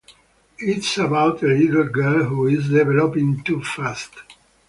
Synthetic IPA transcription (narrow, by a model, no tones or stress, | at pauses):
ɪtsəbaʊtəlidl̩ɡɜ˞lɦuɪzdɛvɛlɔpĩŋtufast